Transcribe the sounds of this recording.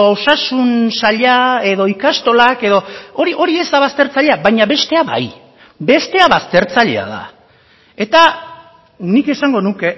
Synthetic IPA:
osasunsaʎae̞ðo̞ikast̪o̞lake̞ðo̞oɾiʔo̞ɾie̞zd̪aβ̞ast̪e̞ɾt͡saʎe̞abajɲaβe̞st̪e̞aβa̰j | be̞st̪e̞aβast̪e̞ɾt͡saʎe̞̰a̰ð̞a̰ | e̞t̪a | nike̞saŋɡo̞nuke̞

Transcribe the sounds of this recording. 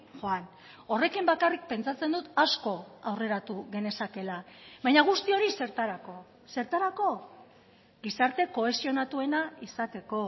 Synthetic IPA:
xoan | o̞re̞kimbakarik̚pe̞nt͡sat͡se̞nd̪ut̪asko̞awre̞ɾat̪uɣe̞ne̞sake̞laβajɲaɣ̞ust̪io̞ɾise̞ɾt̪aɾako̞ | se̞ɾt̪aɾako̞ | ɡisaɾt̪e̞ko̞e̞sio̞nat̪ue̞naisat̪e̞ko̞

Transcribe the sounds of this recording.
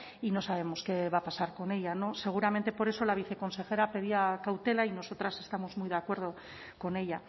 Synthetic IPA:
ino̞saβ̞e̞mo̞ske̞βapasaɾko̞ne̞ʎano̞se̞ɣ̞uɾament̪e̞po̞ɾe̞so̞laβiθe̞ko̞nse̞xe̞ɾape̞ð̞iakawt̪e̞laino̞so̞t̪ɾase̞st̪amo̞zmujðakwe̞ɾð̞o̞ | ko̞ne̞ʎa

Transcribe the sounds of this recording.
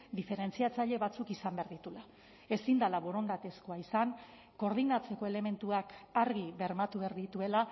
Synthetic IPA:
d̪ife̞ɾe̞nt͡siat͡saʎe̞βat͡sukisambeaɾðit̪ula | e̞sind̪alaβo̞ɾo̞nd̪at̪e̞skoaisaŋ | ko̞ɾð̞inat͡se̞ko̞e̞le̞me̞nt̪uakaɾɣiβe̞ɾmat̪uβeaɾðit̪ue̞la

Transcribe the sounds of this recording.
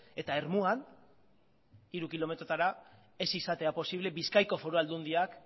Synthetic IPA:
e̞t̪ae̞ɾmuan | iɾukilo̞me̞t̪ɾot̪aɾa | e̞sisat̪e̞apo̞siβle̞βiskajko̞fo̞ɾoald̪und̪iak

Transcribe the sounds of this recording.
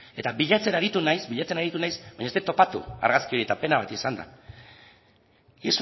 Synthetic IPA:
e̞t̪aβiʎat͡se̞naɾit̪unajsbiʎat͡se̞naɾit̪unajsbaɲaost̪et̪o̞pat̪ṵa̰ɾɣaskioɾie̞t̪ape̞naβat̪isand̪a̰ | is

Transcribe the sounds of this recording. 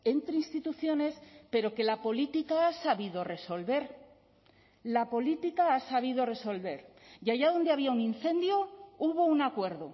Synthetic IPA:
e̞nt̪ɾeinst̪it̪uθjo̞ne̞spe̞ɾo̞ke̞lapo̞lit̪ikaasaβiðo̞re̞so̞lβe̞ɾ | lapo̞lit̪ikaasaβ̞iðo̞re̞so̞lβe̞ɾ | ʝaʝaðo̞nd̪eaβ̞iaunĩnθẽ̞nd̪jo̞uβo̞unakwe̞ɾðo

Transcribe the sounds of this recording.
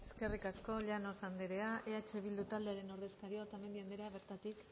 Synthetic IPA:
e̞ske̞rikasko̞ʎano̞sand̪eɾe̞aʔe̞at͡ʃe̞β̞ild̪ut̪ald̪eaɾe̞no̞ɾðe̞skaɾiot̪ame̞nd̪iand̪eɾeaβe̞ɾt̪at̪ik

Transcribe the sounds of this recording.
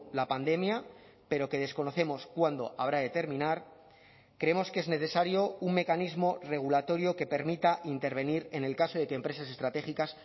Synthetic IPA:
lapand̪e̞mja | pe̞ɾo̞ke̞ð̞e̞sko̞no̞θe̞mo̞skwand̪o̞̰ʔaβɾaðe̞t̪e̞ɾmĩnaɾ | kɾeemo̞skee̞zne̞θe̞saɾjo̞uŋmekanizmo̞re̞ɣ̞ulat̪o̞ɾjo̞ke̞pe̞ɾmit̪aʔint̪e̞ɾβ̞e̞niɾe̞ne̞lkaso̞ðe̞keːmpɾe̞s̬ase̞st̪ɾat̪e̞xikas

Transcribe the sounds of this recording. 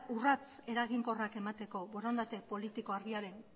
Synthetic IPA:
urat͡se̞ɾaɣiŋko̞rake̞mat̪e̞ko̞βo̞ɾand̪at̪e̞po̞lit̪iko̞arɣiaɾe̞n

